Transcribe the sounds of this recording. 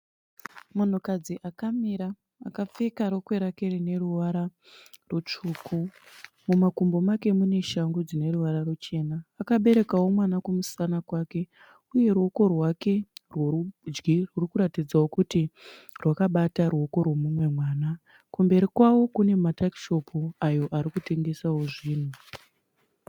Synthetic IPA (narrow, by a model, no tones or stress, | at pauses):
mun̤ukad͡ziʔakamiɾa̰ː | kafekaɾokweɾake̞rine̞ruʋaɾa | rut͡ʂuːku | mumakumbo̞make̞mune̞ʃaŋɡud͡zine̞ruʋaɾarut͡ʃe̞naːkaɓe̞ɾe̞kawo̞mwanakumusanakwake̞ | uje̞ɾuo̞ko̞rwake̞rwod͡ʒɡirurikuɾatid͡zawo̞kutirwakaɓataruo̞ko̞rwo̞mumwe̞mwaːna | kumbe̞ɾikwawo̞kune̞mataki̥ʃo̞puajo̞ʔaɾikute̞ŋɡe̞sawoʐiːn̤u